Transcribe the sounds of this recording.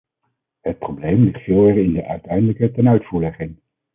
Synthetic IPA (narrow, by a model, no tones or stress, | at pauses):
hət̚prowblejmlɪχtfɪːlˠɛrɪndəʔœɥtɛjndələkətɛnœɥtfuːɹlɛχɪŋ